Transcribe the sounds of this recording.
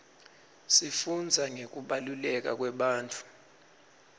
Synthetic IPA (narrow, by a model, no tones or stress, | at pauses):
sifund͡zʱaŋek̬uɓalulɛk̬a̰k̬wɛɓaːntʰʼu̥